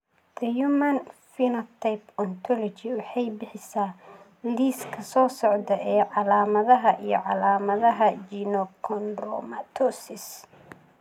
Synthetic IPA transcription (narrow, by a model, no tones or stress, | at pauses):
d̪ɐjumɐnfinɐt̪ʰajpɔnt̪ʰɔlɔt͡ʃɪwʊħɑjbɪħɪsaː | liːskʰɐsɔːsɔʕd̪ɐʔɛːʕɑlaːmɐðɐɦɐʔijɔ̰ʕɑlaːmɐðɐɦɐt͡ʃinɔkʰɔnrɔ̰mɐt̪ʰɔsɪs